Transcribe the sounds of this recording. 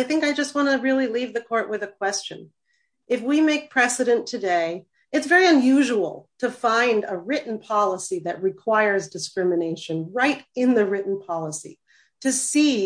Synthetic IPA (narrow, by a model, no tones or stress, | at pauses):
aɪθɪ̃ŋkaɪd͡ʒʌst̚wɑ̃ñɨɹɪlˠilivðɨkʰɔɹʔwɨðɨkʰw̥ɛst͡ʃɨ̰̃n | ʔɨfwimeɪk̚pʰɹ̥ɛsɨɾɨ̃ntʰɨdeɪ | ɨtsvɛɹiɨ̃njʉʒəl̩ˠtʰɨfãɪ̃ndəɹɪʔn̩pʰɑlˠəsiðɨʔ̚ɹɨkʰw̥aɪə˞zdɨskɹɪmɨneɪʃɨ̃nɹaɪɾɪ̃nðɨɹɪʔn̩pʰɑlˠəsḭ | ɾɨsi